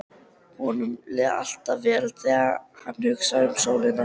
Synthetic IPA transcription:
hɔnʏmlɛːða̰l̥t̪avɛːlθɛːɣahanːhʏksaʏmsoːwlɪna

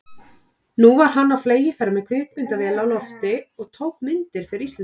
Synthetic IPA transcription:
nuvaɾ̥ɦanːawfleːjɪfɛɾamɛðkʰvɪːk̚mʏnt̪avɛːlaawlɔft̪ɪɔɣt̪ʰoːwk̚mɪnt̪ɪɾ̥fɪɾɪɾist̪lɛn

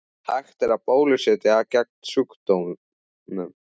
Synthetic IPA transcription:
haxt̪ɛɾapoːwlʏsɪt̪ɪaðcɛk̚nsʏkt̪owm | nʏ

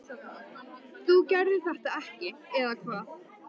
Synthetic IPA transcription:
θucɛɾðɪ̥θɛht̪aɛhcɪɛðakʰvaːð

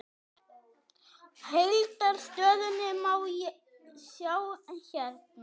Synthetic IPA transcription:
hejlt̪aɾ̥st̪œːðʏnːɪmaːw | sjaːwɛnçɛɾt̚n

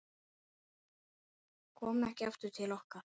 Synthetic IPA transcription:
kʰɔːmɛhcɪɛft̪ʏt̪ʰɪlɔhkaɾ̥

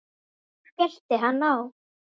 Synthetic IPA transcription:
fjɛl̥t̪ɪɦanːaw

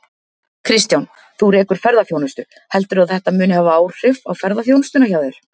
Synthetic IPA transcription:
kʰɾɪst̪jawn | θuɾɛːkʏɾ̥fɛɾðafjoːwnʏst̪ʏ | hɛlt̪ʏɾaðθɛht̪amʏːnʏhavaaːwr̥ɪfawfɛɾðafjownʏst̪ʏnaçaːwðʏɾ̥

